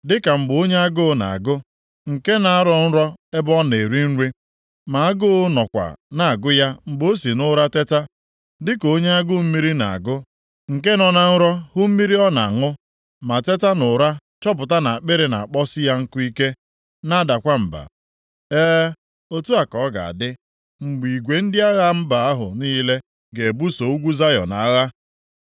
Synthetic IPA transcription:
dɪ˦ka˨m̩˨ɡ͡bo˦ɲe˦a˦ɡʊ˦˨na̰˨a̰˨ɡʊ˦ | ŋ̩˨ke˦na˨a˦ɾɔ˨n̩˦ɾɔ˦e˦bɔ˦ne˨ɾi˦n̩˦ɾi˦ | ma˨a˦ɡʊ˦nɔ˨kʷa̰˨na˨a˨ɡʊ˦ja˦m̩˨ɡ͡bo˦si˨nʊ˦ɾa˦te˦ta˦ | dɪ˦ko˨˦ɲe˦a˦ɡʊ˦m̩˦mi˦ɾi˦na̰˨a̰˨ɡʊ˦ | ŋ̩˨ke˦nɔ˦na˦n̩˦ɾɔ˦hʊ˦m̩˦mi˦ɾi˦ɔ˦na̰˨a˨ŋʊ˦ | ma˨te˦ta˦nʊ˨ɾa˦t͡ʃɔ˦p̬ʊ˨ta˦na˨k͡pɪ˦ɾɪ˨na̰˨a˨k͡pɔ˦sɪ˦ja˦ŋ̩˦kʊ˦i˦ke˦ | na˦da˨kʷa˦m̩˨ba̰˨ | eː˦ | o˦tu˦a˨kɔ˨˦ɡa̰˨a̰˨dɪ˦ | ŋ͡m̩˨ɡ͡bi˨ɡʷe˨n̩˦dɪ˦a˦ɣa˦m̩˦ba˨a˦ɦʊ̰˨niː˦le˦ | ɡe˨bu˦so˨u˦ɡʷu˦za˦jɔ̰˨na˨˦ɣa˦

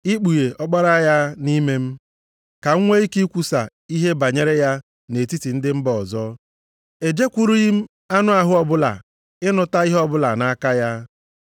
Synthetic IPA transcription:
i˦k͡pu˨je˨ʔɔ˦k͡pa˦ɾa˦ja˦ni˦me˦m̩˦ | ka˨ŋ̩˦ŋʷe˦i˦ki˦kʷu˨sa˨ | i˦ɦe˦ba˨ɲe˦ɾe˦ja˦ | ne˨ti˦ti˨n̩˦dɪ˦m̩˦bɔ˨zɔ˦ | e˨d͡ʒe˦kʷu˦ɾu˦ji˦m̩˦ | a˦nʊ˦a˨ɦʊ˦ɔ˨bʊ˦la̰˨ | ɪ˦nʊ˨ta˦i˦ɦɔ˦bʊ˦la˨na˦ka˦ja˦

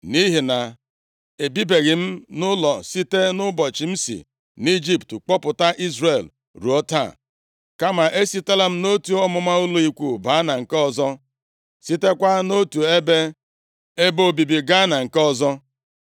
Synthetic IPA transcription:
ni˦ɦi˨na˨ | e˨bi˦be˨ɣɪ˨m̩˦nʊ˦lɔ˨si˦te˦nʊ˦bɔ˨t͡ʃi˨m̩˦sḭ˨ | ni˦d͡ʒi˦ptk͡pɔ˦pʊ˨ta˦ʔi˦zɾe˨l | ɾu˨ɔ˦ta̰˦˨ | ka˦ma˨ʔe˦si˦ta˦la˦m̩˦no˦tu˨˦ɔ˦mʊ˨ma˦ʊ˦lu˦i˦kʷu˦ba˨˦na˨ŋ̩˨kɔ˦zɔ˦ | si˦te˦kʷa˦no˦tu˨e˦be˦ | e˦bo˦˨bi˨bi˨ɡa˦na˨ŋ̩˨kɔ˦zɔ˦

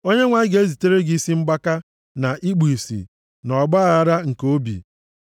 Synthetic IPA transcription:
o˦ɲe˦ŋʷa˦i˦ɡe˦zi˨te˦ɾe˦ɡi˦si˦ŋ͡m̩˦ɡ͡ba˦ka˦ | na˨ʔi˦ɡ͡bu˨i˨sḭ˨ | nɔ˨ɡ͡ba˦˨a˦ɾa˦ŋ̩˨ko˦bḭ˨

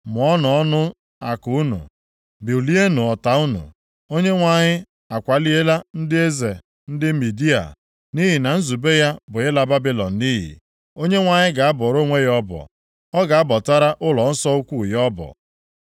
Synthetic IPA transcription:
mʊ˨ɔ˦nɔ˨ɔ˦nʊ˦ | a˨kʊ˨˦u˦nṵ˨ | bi˨u˨li˦e˦nu˨ɔ˨ta˨u˦nṵ˨ | o˦ɲe˦ŋʷa˦ɲɪ˦ | a˨kʷa˨li˦e˦la˦n̩˦dɪ˦e˦ze˨ | n̩˦dɪ˦mi˨di˦a̰˨ | ni˦ɦi˨na˨n̩˦zu˨be˦ja˦bʊ˨ɪ˦la˦ba˦bi˦lɔ˨n̩˨ni˦ɦḭ˨ | o˦ɲe˦ŋʷa˨ɲɪ˦ɡa˨a˦bɔ˨ɾo˦ŋʷe˦jɔ˦bɔ̰˨ | ɔ˦ɡa˨a˦bɔ˨ta˦ɾa˦ʔʊ˦lɔ˨n̩˦sɔ˦u˦kʷu˦˨jɔ˦bɔ̰˨

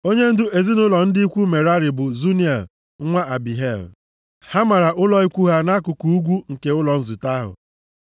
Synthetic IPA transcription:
o˦ɲe˦n̩˦dʊ˦e˨zi˦nʊ˦lɔ˨n̩˦dɪ˦i˦kʷu˦me˨ɾa˦ɾɪ˨bʊ˨zu˦ni˦e˨l | ŋʷa˦ʔa˨bi˨ɦe˦˨l | ha˦ma˨ɾa˨ʔʊ˦lɔ˦i˦kʷu˦ɦa˦na˦kʊ˨ku˨u˦ɡʷu˦ŋ̩˨ke˦ʊ˦lɔ˨n̩˦zʊ˨ta˦ɦʊ̰˨

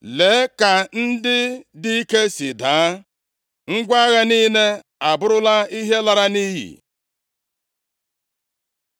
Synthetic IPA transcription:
le˨˦ka˨n̩˦dɪ˦di˦i˦ke˦si˨daː˨˦ | ŋ̩˦ɡʷa˦ɣa˦ni˦ne˦ | a˨bʊ˦ɾʊ˦la˦i˦ɦe˦la˨ɾa˦ni˦ɦḭ˨

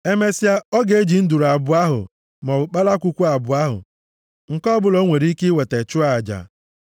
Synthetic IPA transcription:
e˦me˦si˦a˦ɔ˦ɡe˦d͡ʒi˨n̩˦du˨ɾa˨bʊ˨˦a˦ɦʊ̰˨ | m˨ɔ˨k͡pa˦la˦kʷu˦kʷu˦a˨bʊ˨a˦ɦʊ̰˨ | ŋ̩˨kɔ˦bʊ˦˨lo˦ŋʷe˨ɾi˦ki˦we˨te˨t͡ʃʊ˦a˨d͡ʒa̰˨

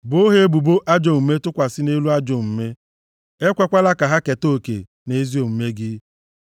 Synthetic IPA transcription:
bo˦ɦe˦e˦bu˨bo˦ʔa˦d͡ʒo˨m̩˨me˦tʊ˦kʷa˨sɪ˦ne˦lu˦a˦d͡ʒo˨m̩˨me˦ | e˦kʷe˦kʷa˦la˦ka˨ɦa˦ke˨to˦˨kḛ˨ | ne˨˦zi˦o˨m̩˨me˦ɡɪ˦

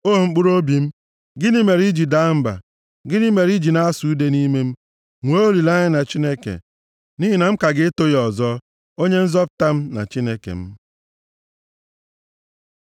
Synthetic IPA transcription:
o˦˨ŋ͡m̩˦k͡pu˦ɾo˦bi˨m̩˦ | ɡɪ˦ni˦me˨ɾi˦d͡ʒi˨da˦m̩˦ba̰˨ | ɡɪ˦ni˦me˨ɾi˦d͡ʒi˨na˦a˦su˨u˦de˦ni˦me˦m̩˦ | ŋʷo˦o˦li˨la˦ɲɪ˦na˨t͡ʃi˦ne˦kḛ˨ | ni˦ɦi˨na˨ŋ͡m̩˦ka˨ɡɪ˦to˦jɔ˨zɔ˦ | o˦ɲe˦n̩˦zɔ˦pʊ˨ta˦m̩˦na̰˨t͡ʃi˦ne˦kḛ˨m̩˦

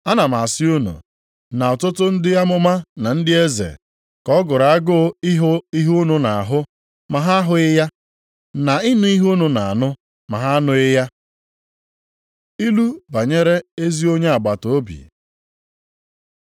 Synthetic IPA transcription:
a˦na˨ma˨a˨sɪ˦o˦nṵ˨ | na˨ɔ˨tʊ˦tʊ˦n̩˦dɪ˦ja˦mʊ˦ma˦na˨n̩˦dɪ˦e˦zḛ˨ | kɔ˦ɡʊ˨ɾa˨a˦ɡʊ˦ɪ˦ɦi˦ɦu˦nu˨na˨a˨ɦʊ˦ | ma˨ɦa˦a˦ɦʊ˦ɪ˦ja˦ | na˨ɪ˦nʊ˦i˦ɦu˦nu˨na˨a˨nʊ˦ | ma˨ɦa˦nʊ˦ɪ˦ja˦ | i˦lu˦ba˨ɲe˦ɾe˦e˦zi˦o˦ɲe˦a˨ɡ͡ba˨to˨˦bḭ˨

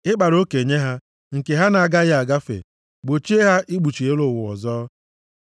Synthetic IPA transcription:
ɪ˦k͡pa˨ɾo˦ke˨ɲe˦ɦa˦ | ŋ̩˨ke˨ɦa˦na˨a˨ɡa˦ɣɪ˦a˨ɡa˦fḛ˨ | ɡ͡bo˨t͡ʃi˦e˦ɦa˦ʔi˦ɡ͡bu˨t͡ʃi˨e˦lʊ˨wʊ˨ɔ̰˨zɔː˦

